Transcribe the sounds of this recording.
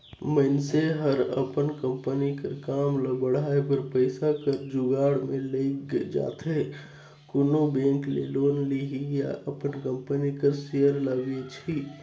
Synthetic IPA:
məɪnseɦəɾəpənkə̃mpənikəɾkaːmləbəɽ̤aːepəɾpəɪsakəɾd͡ʒʊɡaːɽmẽleːkd͡ʒa̰ːt̪e | kʊnobẽːŋklḛːloːnliɦija̰ʔəpənkə̃mpənikəɾsejəɾlaʋet͡ʃʰi

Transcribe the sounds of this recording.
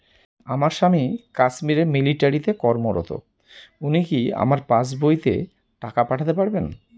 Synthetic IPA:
amaɾʃamikaʃmiɾeɾmiliʈaɾit̪ekɔɾmoɾo̰t̪o̰ | unikia̰maɾpad͡ʑbojt̪ḛ | ʈakapaʈʰat̪epaɾben

